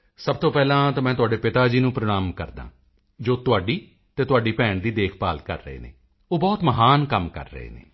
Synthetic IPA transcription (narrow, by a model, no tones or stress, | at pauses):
səb̚t̪oːpɛːlãːt̪aːmɛ̃ːt̪̬ʊaːɖeːpɪt̪aːd͡ʒiːnũːpɾəɽ̃aːmkəɾd̪ã̰ː | d͡ʒoːt̪ʊaːɖiː | t̪eːt̪ʊaːɖiːpɛ̃ːɳʈd̪iːd̪eːkʰpaːlkə̰ɾːə̰ḛːnḛː | oːbɔːt̪məɦaːnkəmkə̰ɾːə̰ɦḛːnḛː